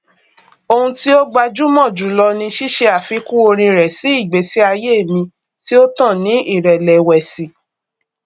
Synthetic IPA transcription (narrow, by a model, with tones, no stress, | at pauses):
o˧hũ˧ti˦o˦ɡ͡ba˧d͡ʒu˦mɔ̃˦˨d͡ʒu˨˦lɔ˧nĩ˧ʃi˦ʃe˧a˨fi˧˦kũ˦o˧ɾ̃ĩ˧ɾɛ˨si˨˦i˦˨ɡ͡be˨˦si˦a˧je˦˨mĩ˧ | ti˦o˦tã˦˨nĩ˦i˦˨ɾɛ˨lɛ˨wɛ˨si˨